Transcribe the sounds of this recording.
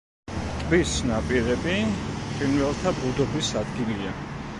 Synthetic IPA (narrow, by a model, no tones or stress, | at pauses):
t̪ʼbisnapʼiɾɛbipʼinvɛlˠt̪ʰabud̪ɔbisad̪ɡilia